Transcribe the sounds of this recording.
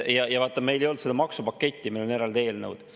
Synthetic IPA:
jɑjɑvɑt̪ːˑɑme̞jle̞jo̞lt̪sed̪ɑmɑksupɑkːe̞t̪ʲːimioleneɾɑld̪e̞ːlnəwd̪̥

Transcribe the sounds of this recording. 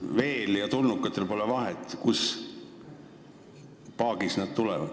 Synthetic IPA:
ve̞ːljɑt̪ulnukːˑɑt̪ˑːe̞lpo̞levɑɦet̪ːˑkus | pɑːɡ̥isnæd̪̥̚t̪ulɛ̰vɑ̰d̪̥

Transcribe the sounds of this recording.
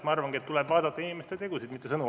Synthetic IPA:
mɑɑrvɑŋɡiet̪ːulɛbvɑːd̪ɑt̪ːɑinʲimest̪et̪e̞ɡusid̪mit̪ːˑesɤnu

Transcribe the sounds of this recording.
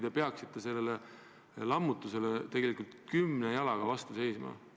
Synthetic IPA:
d̪̥epe̞ɑksit̪ːˑese̞lːele | lɑmːut̪ːˑuse̞le̞t̪e̞ɡe̞likːˑult̪kymnejɑlɑɡ̥ɑvɑst̪use̞jsmɑ̰

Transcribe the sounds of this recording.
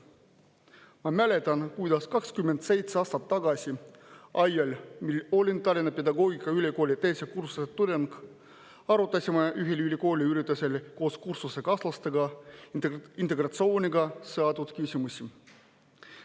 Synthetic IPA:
mɑmæle̞t̪ˑɑnkujd̪̥ɑskɑkskymːend̪̥se̞jt̪seɑːst̪ɑt̪ːɑɡ̥ɑsʲiʔɑjːɑlʲmilo̞lʲint̪ɑlʲinɑpe̞d̪ɑɡo̞ːɡ̥ikɑylʲiko̞ːlʲit̪e̞jsekursuset̪ːud̪enɡ̥ | ɑɾut̪ːˑɑsʲimɑʔyɦilylʲiko̞ːlʲiyɾit̪ːˑuselko̞ːskursuse̞kɑslɑst̪eɡ̥ɑ | int̪e̞ɡ̥rɑt̪so̞ːnʲiɡ̥ɑsɤɑt̪ud̪̥kysʲimusʲi

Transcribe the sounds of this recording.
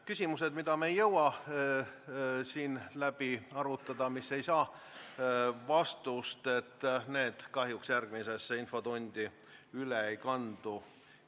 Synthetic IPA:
kysʲimuse̞d̪̥mid̪ɑmeːjːɤwɑ | siːnlæb̥iɑɾut̪ːˑɑd̪ɑmisːe̞jsɑː | vɑst̪ust̪e̞t̪ːne̞ːd̪̥kɑɦjuksjærɡ̥mise̞sːeinfo̞t̪o̞nʲd̪̥ʲi | yleejkɑnd̪̥u

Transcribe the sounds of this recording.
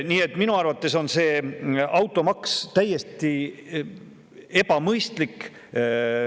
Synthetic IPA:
niːe̞t̪ːˑminuɑrvɑt̪ːˑe̞so̞nse̞ːɑwt̪ːˑo̞mɑkst̪æjːe̞st̪i | e̞bɑmɤjst̪lik

